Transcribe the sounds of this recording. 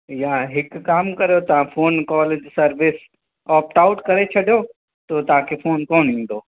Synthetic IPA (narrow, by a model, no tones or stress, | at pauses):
jãɦɪkːaːmkɐɾjot̪ɐʋ̤ãfʰoːnkɔːleːd͡ʒsɐɾʋɪs | ɔːp̚ʈaːʊʈkɐɾet͡ʃʰɐɖjo | t̪ot̪ɦãkʰefoːnkoːnĩːn̆d̪oː